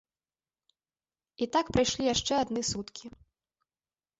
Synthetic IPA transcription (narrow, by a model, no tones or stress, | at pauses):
it̪akpɾɨjʂlʲijaʂt͡ʂɛad̪nɨsut̪kʲʰi